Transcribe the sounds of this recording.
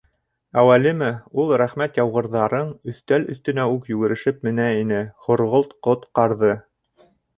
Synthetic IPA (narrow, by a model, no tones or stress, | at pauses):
æwælimɘulˠɾæχmæt̪jɑwʁɤ̆ɾðɑɾɤɴɵ̆θt̪ælɵ̰̆θt̪ɵ̆næukjʉɡɘ̆ɾɘ̆ʃɘpmɘ̆næinɘχŏɾʁolˠt̪qot̪qɑɾðɤ